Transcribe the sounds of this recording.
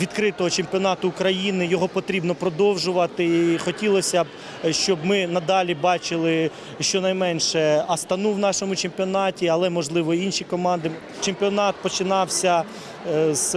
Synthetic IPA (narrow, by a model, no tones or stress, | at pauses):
ʋʲid̪kɾɪt̪ɔɦɔt͡ʃempʲɔnɑt̪ʊːkɾɐjinɪjɔɦɔpɔt̪ɾʲibnɔpɾɔd̪ɔwʒʊʋɐt̪ɪixɔtʲilˠɔsʲɐb | ʃt͡ʃɔbmɪnɐd̪ɑlʲibɑt͡ʃɪlˠɪ | ʃt͡ʃɔnɐjmɛnʲʃɛɐst̪ɐnuwnɑʃɔmʊt͡ʃempʲiɔnɑtʲiɐlˠɛmɔʒlˠɪʋɔinʃikɔmɑnd̪ɪ | t͡ʃempʲiɔnɑt̪̚pɔt͡ʃɪnɑwsʲɐ | z̥